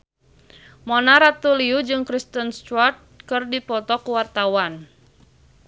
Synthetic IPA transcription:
mɔnaɾat̪uliud͡ʒɨŋkɾist̪ənst̪wart̪̚kɨrdipɔt̪ɔkuwart̪awan

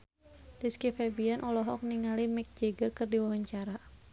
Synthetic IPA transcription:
d̥iskifɛbianʔɔlɔɦɔk̚niŋalimɪk̚d͡ʒɛɡərkɨrdiwawaɲt͡ʃaɾa

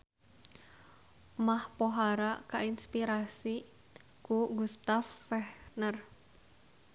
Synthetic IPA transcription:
mahpoɦaɾakainspiɾasi | kuɡust̪afːɛhnər

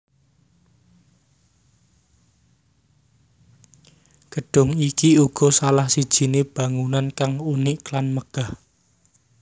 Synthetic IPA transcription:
ɡ̥əɖ̥ʊ̤ŋikiuɡ̥ɔ̤salahsid̥ʒ̥i̤neb̥a̤ŋunankaŋunɪʔklanməɡ̥a̤h

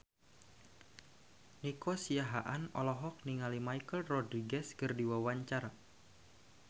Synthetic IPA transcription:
nikosiaɦaʔanɔ̰lɔɦɔk̚niŋalimajkəlrɔdɾiɡɛskɨrdiwawaɲt͡ʃaɾa

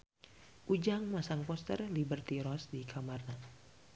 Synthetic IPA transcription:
ʔud͡ʒaŋmasaŋpɔst̪ərlibərt̪iɾɔsdikʰamarna

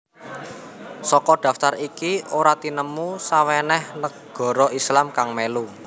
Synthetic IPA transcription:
sɔkɔɖ̪̥ä̤ft̪aɾikioɾat̪inəmusawɛnɛhnəɡ̥ɔ̤ɾɔʔislamkaŋmelu

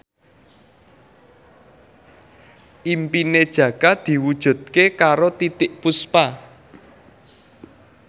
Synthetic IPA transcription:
ʔimpined̥ʒ̥ä̤kad̪̥i̤wud̥ʒ̥ṳd̪̚kekaɾot̪it̪ɪʔpuspa

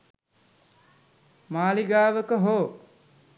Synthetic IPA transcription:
maːliɡaːʋəkəɦoː

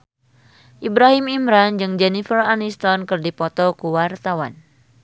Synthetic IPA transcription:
ʔibɾaɦimimɾand͡ʒɨŋd͡ʒɛnifəranist̪ɔnkɨrdipɔt̪ɔkuwart̪awan

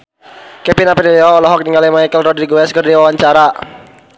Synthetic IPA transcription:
kɛpinapɛdiliɔɔlɔɦɔk̚niŋalimaijkəlrɔdɾiɡuɛskərdiwawaɲt͡ʃaɾa

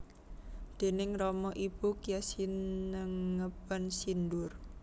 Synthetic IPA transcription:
d̪̥e̤nɪŋrɔmɔʔib̥ukijasiəŋəbansind̪ʊr

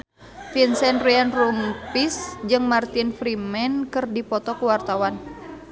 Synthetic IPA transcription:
finsɛnrianrumpisd͡ʒɨŋmart̪infɾimɛnkɨrdipɔt̪ɔkuwart̪awan

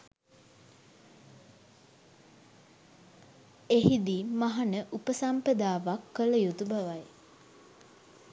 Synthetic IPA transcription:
eɦid̪imaɦanəʔupəsampəd̪aːʋakːələjut̪ubaʋaj

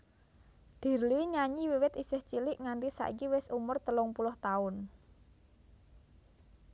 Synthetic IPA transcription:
d̪̥i̤rliɲaɲiwiwɪt̪isɪht͡ʃilɪʔŋant̪isa̰ʔḭkiwɪsumʊrt̪əlʊŋpulʊht̪aʊn

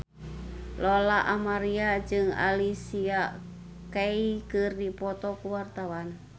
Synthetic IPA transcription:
lolaʔamaɾiad͡ʒɨŋa̰lisia | kaikɨrdipɔt̪ɔkuwart̪awan

